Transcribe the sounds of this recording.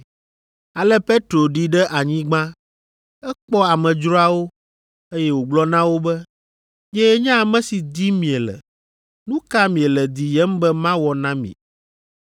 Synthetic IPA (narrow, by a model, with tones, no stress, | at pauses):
a˨lɛ˦pe˦t̪ɾo˨ɖi˦ɖɛ˦ʔa˨ɲĩ˦ɡ͡bã˦ | ɛ˦k͡pɔ˦a˨mɛ̃˨d͡ʒɾɔ˦a˦wo˦ | e˦jɛ˦wo˨ɡ͡blɔ˦nã˦wo˦bɛ˦ | ɲɛ˦ɲã˦a˨mɛ̃˦si˨d̪i˦mĩ˨ɛ˨lɛ̰˨ | nũ˦ka˦mĩ˨ɛ˨lɛ˨d̪i˨jɛ˦m˦bɛ˦mã˦wɔ˨nã˦mḭ̃˨